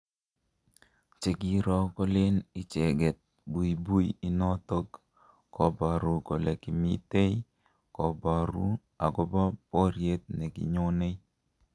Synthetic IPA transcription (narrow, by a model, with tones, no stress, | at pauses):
t͡ʃe˨ɡi˨ɾɔ˦kɔ˦lɪ˦ni˦t͡ʃɛ˨ɡɛ˨t̪̚ | bu˨bu˦ji˦nɔ˦t̪o˦k | kɔ˨ba˨ɾu˨ko˨le˨ki˨mi˦t̪e˦i | kɔ˨ba˨ɾu˦ | a˨ɡɔ˦ba˦pɔ˦ɾje˦t̪̚ne˨ɡḭ˨ɲo˦ne˦